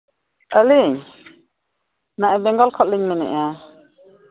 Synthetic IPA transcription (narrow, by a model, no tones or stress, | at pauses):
ʔəliɲ | naʔɛbɛŋɡɔlkʰɔʔ̚liɲnɛnɛ̰ʔja